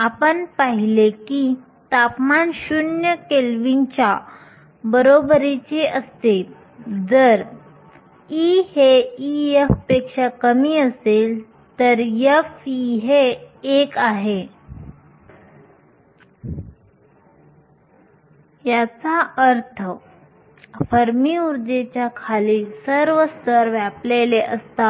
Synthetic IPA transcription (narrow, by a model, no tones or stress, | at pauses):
apəɳpaɦileki | t̪apmanɕunjəkelʋint͡ɕja | bəɾobɾit͡ɕeʔəst̪e | d͡zəɾ | iheijefpekʂakəmiːəsel | t̪əɾjefiɦeːkaɦe | jat͡saʔəɾt̪ʰə | fəɾmiuɾd̪et͡ɕjakʰaliːsəɾʋəst̪əɾʋapleleʔəst̪a